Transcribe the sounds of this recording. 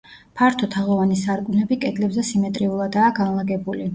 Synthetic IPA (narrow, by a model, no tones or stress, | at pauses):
pʰaɾt̪ʰɔt̪ʰaʁɔvanisaɾkʼunɛbikʼɛd̪lɛbzɛsimɛt̪ʼɾiulˠad̪aːɡanlˠaɡɛbuli